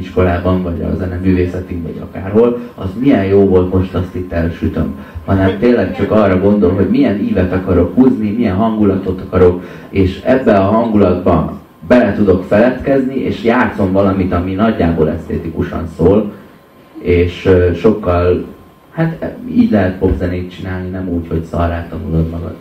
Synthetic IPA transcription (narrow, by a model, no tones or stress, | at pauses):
iʃko̞laːbɒɱvɒɟɒ̰zɛnɛmyːveːsɛt̪imvɒ̰ɟɒ̰ka̰ːrɦo̞lɒ̰zmijɛnjoːvo̞lt̪mo̞ʃt̪ɒst̪it̪ːɛlʃyt̪ø̰m | hɒnɛmt̪eːnlːɛkt͡ʃɒkɒːrːɒɡo̞nd̪o̞lɦo̞ɟmijɛniːvɛt̪ɒkɒɾo̞khuːznimijɛnɦɒŋɡulɒt̪o̞t̪ɒkɒɾo̞k | eːʃɛbːɛɒɦɒŋɡulɒd̪bɒ̰ | bɛlɛt̪ud̪o̞kfɛlɛt̪kɛzniʔḛːʃjaːt̪so̞ɱvɒlɒmit̪ɒminɒɟːaːbo̰ːlɛ̰st̪ḛːt̪ikuʃɒ̰nsoːl | eːʃʃo̞kːɒl | hat̪ḭːɟlɛɦɛt̪po̞pzɛneːt̪̚t͡ʃinaːlninɛmuːcho̞ɟsɒ̰raːt̪ːɒnulo̞d̪mɒɡɒ̰d̪